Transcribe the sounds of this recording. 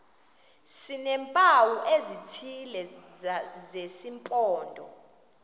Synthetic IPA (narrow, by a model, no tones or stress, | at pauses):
sinɛmpʼawuʔezitʰilɛ | zesimpʼɔːndʱɔ̰